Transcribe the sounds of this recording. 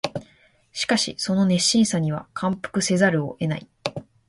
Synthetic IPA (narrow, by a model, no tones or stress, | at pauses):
ɕi̥kaɕḭso̞no̞ne̞ɕːĩɰ̃saɲ̟iβ̞a̰kʰãmpɯ̥kɯ̟se̞zaɾɯ̟o̞̰ʔe̞na̰i